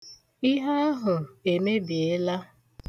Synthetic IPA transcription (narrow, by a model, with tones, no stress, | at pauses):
i˦ɦa˦ɦʊ˨e˨me˦bi˨e˦la˦